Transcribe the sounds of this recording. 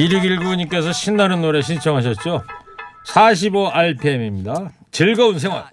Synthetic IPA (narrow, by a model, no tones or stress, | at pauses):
iɾɯɡiɭɡuɲik͈e̞s̬ʰʌɕʰinːaɾɯnːoɾe̞ɕ̬ʰint͡ɕʰʌŋɦaɕ̬ʰʌt̚t͡ɕ͈o | sʰaɕ̬ʰiboaɭpʰe̞mimɲida | t͡ɕɯɭɡʌuns̬ʰe̞ŋwa̰ɭ